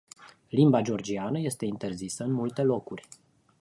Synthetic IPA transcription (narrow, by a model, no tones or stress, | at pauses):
limbad͡ʒeo̞rd͡ʒianəje̞st̪e̞int̪e̞rzisəɨnmult̪e̞lo̞kurʲ